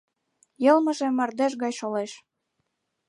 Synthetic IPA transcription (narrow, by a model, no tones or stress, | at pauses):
jɤ̆lmə̆ʒĕmːɑrd̪eʃɣɑjʃoleʃ